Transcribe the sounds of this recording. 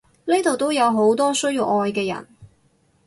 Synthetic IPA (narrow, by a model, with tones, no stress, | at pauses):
ne˥t̪o˨wt̪o˥wjɐ˨˧wɦo˨˥wt̪ɔː˥sɵ˥ɥji˧wʔɔː˧jkɛː˧jɐ̰˨˩n